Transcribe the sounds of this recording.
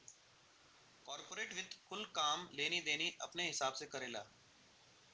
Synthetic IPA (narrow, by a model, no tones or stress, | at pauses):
kɔːɾpoːɾeːʈʋɪd̪kʰʊlkaːmleːnid̪eːniʔɐ̰pneɦɪsaːbsekɐɾeːla̰ː